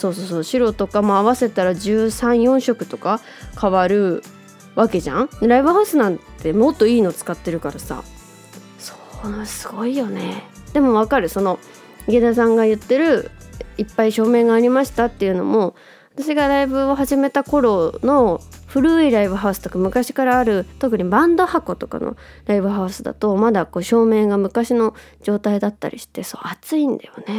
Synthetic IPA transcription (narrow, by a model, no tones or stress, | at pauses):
so̞ːso̞ːsoːɕiɾo̞t̪o̞kamoaβase̞t̪aɾad͡ʑɨːsãɰ̃jõ̞ɰ̃ɕo̞kɯ̟̥t̪o̞ka | kʰaβaɾɯ̟ | βake̞ʑã̰ŋ̃ɾaibɯ̟ɦaɯsɨnãnt̪ːe̞mo̞t̪ːo̞iːno̞t͡sɨ̥kat̪ːe̞ɾɯ̟kaɾasa̰ | so̥nasɨ̥ɡ̥o̞ijo̞ne̞̰d̪e̞mo̞βakaɾɯ̟so̞no̞ | ɡe̞d̪asãŋɡajɯ̟t̪ːe̞ɾɯ̟ipːaiɕo̞ːmẽ̞ŋɡaːɾʲimaɕi̥t̪at̪ːejɯ̟no̞̰mo̞ | at̪aɕiɡaɾaibɯ̟oɦaʑime̞t̪ako̞ɾo̞no̞ɸɯ̟ɾɯ̟ːiɾaibɯ̟ɦaɯ̟sɨ̥t̪okamɯ̟kaɕi̥kaɾaːɾɯ̟t̪o̞kɯ̟ɲ̟ibãnd̪o̞hako̞t̪o̞ka̰no̰ɾaibɯ̟ɦaɯ̟sɨd̪a̰t̪o̞mad̪ako̞ːɕo̞ːmẽ̞ŋɡamɯ̟kaɕino̞ | d͡ʑo̞ːt̪aid̪at̪ːa̰ɾʲʔḭɕi̥t̪e̞so̰ːat͡sɨĩnd̪a̰jo̞̰ne̞